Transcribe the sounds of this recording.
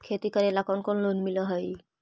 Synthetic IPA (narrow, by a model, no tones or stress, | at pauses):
kʰet̪ikaɾelakɔnkɔnlonmilɔɦɔj